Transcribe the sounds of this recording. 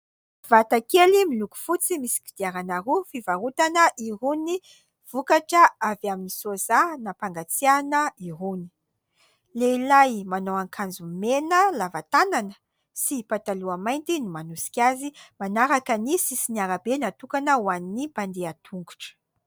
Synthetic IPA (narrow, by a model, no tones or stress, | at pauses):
v̥at̪akelimiluku̥fut͡simisi̥ki̥d̪̥iaɾanaɾufivaɾut̪anəʔiɾuni | v̥ukaʈ͡ʂəavaminisozanapaŋɡat͡sianəiɦuni̥ | leilajmanoaŋkʰand͡zumenəlavat̪ananə | sipat̪aluamajnt̪inumanusi̥kʲazimanaɾakənisisiniaɾabenat̪ukanəwaninipand̪eat̪ʰuŋɡuʈ͡ʂə̥